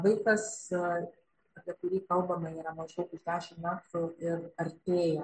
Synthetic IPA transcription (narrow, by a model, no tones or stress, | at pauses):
ʋɐɪkɐs | ɐpʲiɛkʊɾʲiːkɐlˠbɐmɐiːɾɐmɐʒd̪ɐʊkʊʒd̪ʲæːʃʲɪmmʲæːt̪ʊɪrɐɾʲt̪ʲeːjɛ